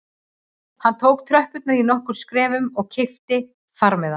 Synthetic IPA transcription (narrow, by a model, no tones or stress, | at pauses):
hanːt̪ʰoːwk̚t̪ʰɾœhpʏt̪naɾinɔhkʏɾ̥skɾɛːvʏmɔɣcʰɪft̪ɪ | faɾmɛða